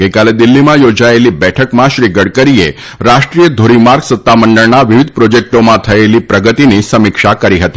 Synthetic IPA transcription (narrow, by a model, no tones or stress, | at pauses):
ɡ̥ejkaled̪ilːimãjod͡ʑajeliːbɛʈʰəkmãɕɾiːɡəɽkəɾije | ɾaʂʈɾijəd̪ʱoɾimaɾɡsət̪ːaməɳɖəɭnaʋiʋid̪̚ʱpɾod͡ʑek̚ʈomãt̪ʰəjeliːpɾəɡət̪inisəmikʂakəɾiɦət̪i